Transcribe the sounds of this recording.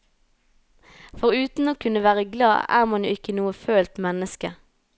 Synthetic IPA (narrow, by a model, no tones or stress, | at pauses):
fɔʁʉːt̪n̩oːkʰʉnəʋæːʁəɡlɑ̰ːæ̰ːʁmɑnjṵːɪkənuːəføːlt̪mɛnəskə